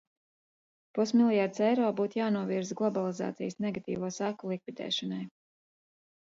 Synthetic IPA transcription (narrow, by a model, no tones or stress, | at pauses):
pusmilˠjaɾt̪sɛjɾɔːbuːt̪jaːnuɔviɾzɡlˠɔbalˠiza̰ːt̪sḭjsnɛɡat̪ḭːvuːsakulˠikvid̪ɛ̰ːʃɔnaj